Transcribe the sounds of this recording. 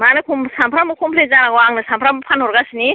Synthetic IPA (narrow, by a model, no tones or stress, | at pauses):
manɯkʰumsampʰɾamɯkʰɔmpʰlezanaɡɔaŋnɯsampʰɾamɯpʰanhɔɾɡasni